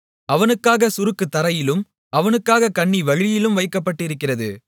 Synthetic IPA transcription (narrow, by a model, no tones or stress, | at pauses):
ɐʋɐnɯkːaːɣɐsʊɾɯkːɯt̪ːɐɾɐjɪlɯm | ɐʋɐnɯkːaːɣɐkɐɳːiʋɐɻɪjɪlɯmʋɐɪkːɐpːɐʈːɪɾɯkːɪrɐðɯ